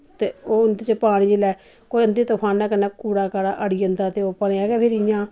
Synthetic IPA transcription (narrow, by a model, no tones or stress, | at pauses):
t̪eːoːʊnd̪eːt͡ʃpaːɽiːd͡ʒɪlɛː | koːiənd̪eːt̪əpʰaːnaːkənɛːkuːɽaːkaːɽaːʔəɽiːənd̪aːt̪eːoːpəɽeːɛːɡɛːpʰɪɾɪjãː